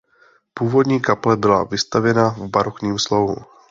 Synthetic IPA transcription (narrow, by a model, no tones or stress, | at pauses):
puːvo̞dɲiːkaplɛbɪla̰vɪst̪avjɛnavbaɾokɲiːmslo̞ɦṵ